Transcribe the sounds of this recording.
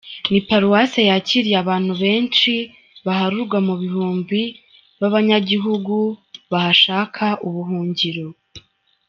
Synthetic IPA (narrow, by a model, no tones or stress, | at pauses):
nipaɾuwasajaciɾijaβaːn̥huβe̞ːnt͡ʃi | βahaɾuɾɡwamuβihuːmbi | βaβaɲaɟiɦuɡuβahaʃaːkʰaʔuβuɦuːɲɟiɾo